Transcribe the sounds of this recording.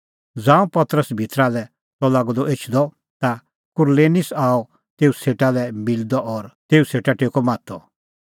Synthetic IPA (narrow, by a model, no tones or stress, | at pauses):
d͡zãːũpɐt̪ɾəsbʱit̪ɾalɛ | tɔlaːɡɔd̪ɔʔet͡ʃʰd̪ɔ | t̪a | kʊɾleːnɪsaːɔ | t̪eːuseːʈalɛmɪld̪ɔʔɔɾt̪eːuseːʈaʈekɔmãːt̪ʰɔ